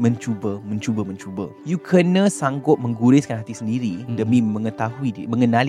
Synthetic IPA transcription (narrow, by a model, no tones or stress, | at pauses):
mə̃ɲt͡ʃubəmə̃ɲt͡ʃubəmə̃ɲt͡ʃubəjukʰənə̃saŋɡʊt̪̚mə̃ŋɡuɾɪskanɦat̪isəndiɾidəmĩmə̃ŋət̪aɦuiimə̃ŋənal